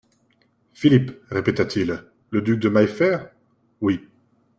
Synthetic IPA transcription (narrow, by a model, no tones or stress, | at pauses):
filipʁepet̪at̪ʰil | ləd̪yk̚d̪əmajfɛʁ | wi